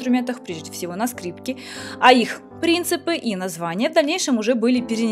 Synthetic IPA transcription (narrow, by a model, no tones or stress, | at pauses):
t̪ɾʊmʲent̪əxpɾʲeʐddʲɪfʲsʲɪvo̞nɐskɾʲipkʲɪ | ɐix | pɾʲint̪sɨpɨʔinɐzvanʲɪjəvd̪ɐlʲnʲejʂɨmʊʐɛbɨlʲɪpʲɪɾʲɪnʲ